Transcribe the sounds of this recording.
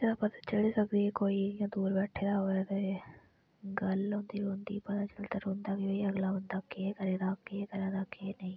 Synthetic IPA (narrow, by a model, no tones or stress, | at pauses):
seapət̪aːt͡ʃəliːsəkd̪iekoːiːɪjãːd̪uːɾbɛːʈʰeːd̪aːɦoːɛt̪e | ɡəlɦõːnd̪iːɾõːnd̪ḭːpət̪ãːt͡ʃəlt̪əɾõːnd̪aːkioiəɡlaːbənd̪aːkekəɾeːd̪aːkekəɾãːd̪aːkenəĩː